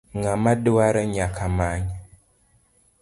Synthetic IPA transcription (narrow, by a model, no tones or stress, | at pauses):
ŋamaduaɾəɲakʰamaɲ